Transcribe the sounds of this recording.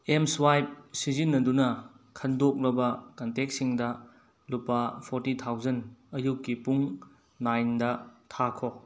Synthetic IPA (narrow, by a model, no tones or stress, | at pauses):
emswajp̚sizinːɐdunɐ | kʰɐndok̚ɾɐbɐkɐntek̚siŋdɐ | lupːɐpʰoɾtitʰawzɐnɐjukːipuŋ | najndɐtʰakʰo